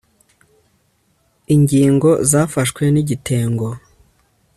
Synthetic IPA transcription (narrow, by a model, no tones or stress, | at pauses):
iɲɟiːŋɡo̞zaːfaʃkwe̞niɟitʰe̞ːŋɡo̞